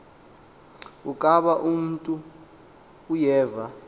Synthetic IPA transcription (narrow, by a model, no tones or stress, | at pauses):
ukʼaɓaʔum̩tʼuː | jɛːva